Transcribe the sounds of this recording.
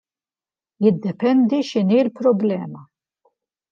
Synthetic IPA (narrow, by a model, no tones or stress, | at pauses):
jɪd̪ːɛpɛnd̪iʃɪnilpɾɔblɛːmɐ